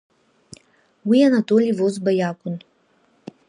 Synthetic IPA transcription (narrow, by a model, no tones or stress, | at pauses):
wianat̪ʼolivozbajaːkʷʼʊn